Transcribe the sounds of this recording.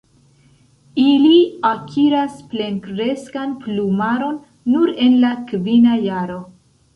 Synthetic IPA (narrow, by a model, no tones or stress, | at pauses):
iliakʰiɾasple̞nkɾe̞skanplumaɾo̞nː | uɾe̞nlakvinajaɾo̞